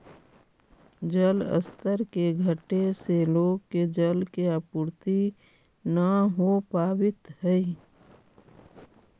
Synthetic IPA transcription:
d͡ʒələ̰st̪ʰəɾkeɡʱəʈeseloːɡked͡ʒəlkeapuːɾt̪i | nəɦopaːbɪt̪ɦɛi

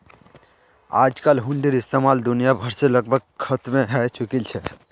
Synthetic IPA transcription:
a̰ːd͡ʒkalɦʊ̃ɳɖiɾɪst̪eːmaːld̪ʊnijabʱəɾseləɡ̚bʱəɡ̚kʰət̪mẽɦɛt͡ʃʊkilt͡ʃʰɛ

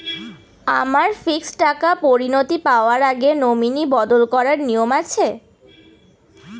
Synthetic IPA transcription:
amaɾfiksʈakapoɾinot̪ipaoaɾaɡenominibɔd̪olkɔɾaɾnijomat͡ɕʰe

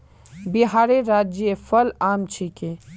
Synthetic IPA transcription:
biɦaːɾeɾaːd͡ʒefɐlaːmt͡ʃʰike

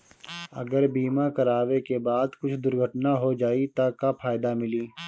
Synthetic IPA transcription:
ɐ̰ɡəɾbiːmakɐɾaːʋekebaːd̪kʊt͡ʃʰd̪ʊɾɡʱəʈnaɦod͡ʒaːit̪akapʰaːjd̪amɪliː

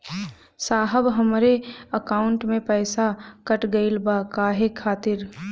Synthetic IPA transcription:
saːɦəbɦəmɾeəkaːʊɳʈmẽpɛːsakəʈɡəɪlbakaːɦekʰaːt̪ɪɾ

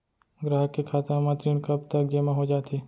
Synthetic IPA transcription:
ɡɾaːɦəkːekʰaːt̪ãmãt̪ɾiʊnkəbt̪ək̚d͡ʒeːmãɦod͡ʒaːt̪ʰeː

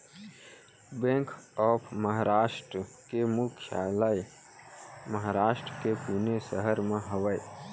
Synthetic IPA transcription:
bẽŋkʰɔːpʰməɦaɾaːʃʈɾ | kemukʰja̰ləj | məɦaɾaːʃʈɾkepunesəɦəɾmẽɦəwəj

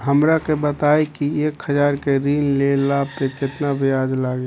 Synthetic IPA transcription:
ɦəmɾakebət̪aːekieːkhəd͡ʒaːɾkeɾiːnlelaːb̚pet͡ʃet̪nabʱijaːd͡ʒlaːɡe

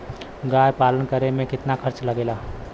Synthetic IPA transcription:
ɡaːjpaːlənkəɾemẽkɪt̪nakʰəɾt͡ʃləɡeːlaː

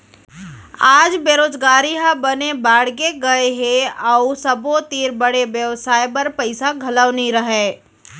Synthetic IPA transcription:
aːd͡ʒbeːɾoːd͡ʒɡaːɾiɦəbənebaːɽɡeɡɐeɦeəusəbot̪iːɾbəɽebjəʋsaːjpɐɾpəɪsaɡʱɐləʋniɾəɦeː

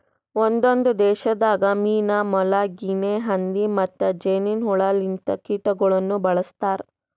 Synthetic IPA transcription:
ond̪ond̪ud̪ɛːʃɐd̪aːɡɐmiːnaːmɔlaɡineɦɐnd̪imɐt̪ːɐd͡ʒeːninɦuɭaːlint̪ɐkiːʈɐɡɐɭɐnːubɐɭɐst̪aːɾ

